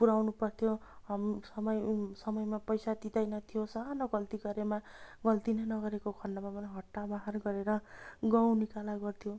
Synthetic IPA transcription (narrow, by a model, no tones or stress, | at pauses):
puɾawnupʌrt̪ʰjoɦamsʌmʌjsʌmʌjmapʌjsat̪it̪ʌjnʌt̪ʰijosʌɦanʌɡʌlt̪iɡʌɾemaɡʌlt̪inʌnʌɡʌɾekokʰʌrnːamamʌnɦʌʈːabaɦarɡʌɾeɾʌɡaw̃nikalaɡʌrt̪ʰijo